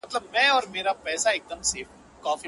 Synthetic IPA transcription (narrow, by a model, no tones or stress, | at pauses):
ɐt̪ləbmɛ̃ɔːɾmeːɾapɛːsaeːk̚d̪əmseːf | kaːfi